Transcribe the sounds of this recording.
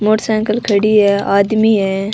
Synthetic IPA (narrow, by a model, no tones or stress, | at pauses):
moːʈsãːŋkəlkʰɐɽiɦɛːaːd̪miɦɛː